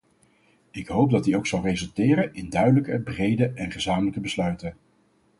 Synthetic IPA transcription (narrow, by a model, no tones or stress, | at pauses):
ɪkɦowp̚dɑt̚diowksɑlˠrezɵlˠtɪːɾənɪndœɥdələkəbrejdəʔɛnχəzaːmələkəbəslœɥtən